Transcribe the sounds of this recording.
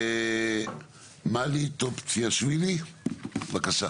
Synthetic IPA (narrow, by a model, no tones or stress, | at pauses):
e | malit̪opt͡sʰiaswiɾi | bakasa